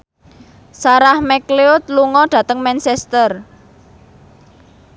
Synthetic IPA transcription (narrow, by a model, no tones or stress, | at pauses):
saɾahmɛkleʊt̪̚luŋɔɖ̥ä̤t̪əŋmɛnsɛst̪ər